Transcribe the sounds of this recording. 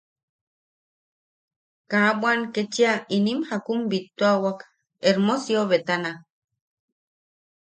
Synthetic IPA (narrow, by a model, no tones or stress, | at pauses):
kabwaŋket͡ʃiainimhakumbit̪ːuawak | eɾmosjoβet̪ana